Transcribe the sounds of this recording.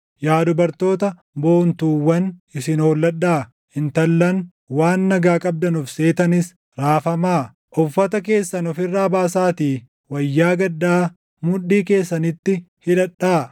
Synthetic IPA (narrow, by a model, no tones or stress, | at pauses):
jaːd̪ʊbɐɾt̪o̞ːt̪ɐ | bo̞ːnt̪uːwːɐnɪsɪnoːlːɐᶑːaː | ɪnt̪ɐlːɐn | waːnːɐɡaːkʼɐb̚d̪ɐnʊfse̞ːt̪ɐnɪs | ɾaːfɐmaː | ʔɔfːɐt̪ɐk̬e̞ːsːɐnɔfɪrːaːbaːsaːt̪iː | wɐjːaːɡɐd̪ːaː | mʊᶑːiːke̞ːsːɐnɪt̪ːɪ | hɪᶑɐᶑːaː